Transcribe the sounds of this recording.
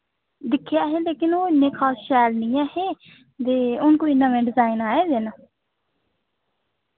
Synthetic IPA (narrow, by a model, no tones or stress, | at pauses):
d̪ɪkʰːejaːɦeːleːkɪnoːɪnːẽːkʰaːsʃɛːlnĩːãːheː | d̪eːʊnkoːinːãːmẽːɖɪzaːɪnaːeːd̪eːnãː